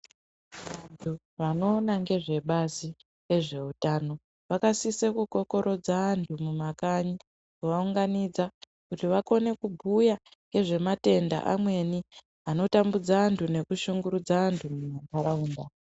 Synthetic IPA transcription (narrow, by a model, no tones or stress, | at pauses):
ʋantʰu | ʋano̞ːnaŋɡe̞ʐe̞ɓazi | e̞ʐe̞utaːno̞ | ʋakasisekuko̞ko̞ɾo̞d͡zaːntʰumumakaɲi | kuʋauŋɡanid͡za | kutiʋako̞ne̞kubʱuja | ŋɡe̞ʐe̞mate̞nda̰ʔamwe̞ni | ano̞tambud͡zaːntʰune̞kuʃuŋɡuɾud͡zaantʰumumakaɾauːnda